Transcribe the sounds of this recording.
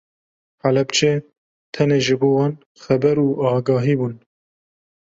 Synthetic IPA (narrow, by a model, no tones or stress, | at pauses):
ħalɛbt͡ʃʰeː | t̪ʰɛneːʒɨboːwɑːn | xɛbɛɾuːʔɑːɡɑːɦiːbuːn